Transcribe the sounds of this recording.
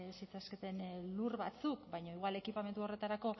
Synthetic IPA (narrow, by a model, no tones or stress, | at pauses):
sit͡sasket̪e̞nlurβa̰t͡sukbajɲoiɣwale̞kipame̞nt̪uo̞re̞t̪aɾako̞